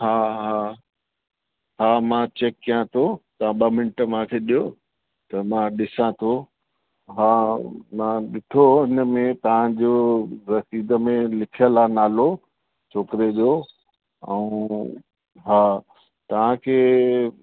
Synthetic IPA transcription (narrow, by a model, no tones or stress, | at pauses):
haːɦaː | ɦaːmãt͡ɕekːijãt̪ʰot̪ɐãɓəmɪnɪʈəmãkʰeːɗijo | t̪ɐmãɗɪsãt̪ʰo | ɦaːmãɗɪʈʰoɦɪnəmẽt̪ɐʋ̤ãd͡ʑoɾɐsiːd̪əmẽlɪkʰijəlanaːlo | t͡ɕʰoːkɪɾed͡ʑoː | ɛ̰ũ | ɦaː | t̪ɐʋ̤ãkʰeː